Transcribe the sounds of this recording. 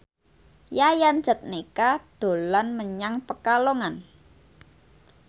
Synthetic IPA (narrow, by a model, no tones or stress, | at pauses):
jajan̥d͡ʒə̤t̪̚nikad̪̥o̤lanməɲaŋpəkaloŋan